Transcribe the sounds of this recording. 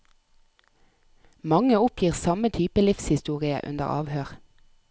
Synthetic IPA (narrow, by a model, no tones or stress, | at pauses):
mɑŋəʊpʰjiːʁsɑmət̪ʰyːpəlɪfshɪst̪uːʁɪə̰ʔʉ̰nə̰ʁɑ̰ːʋhøːʁ